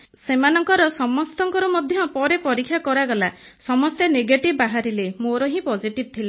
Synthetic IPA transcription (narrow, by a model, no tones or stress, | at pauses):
semanɔŋkɔɾɔsɔmɔst̪ɔŋkɔɾumɔd̪ʱjɔpɔɾepɔɾikʰːjakɔɾaɡɔla | sɔmɔst̪eneɡeʈibbaɦaɾilemoɾɔɦĩpɔd͡ʒiʈib̚t̪ʰila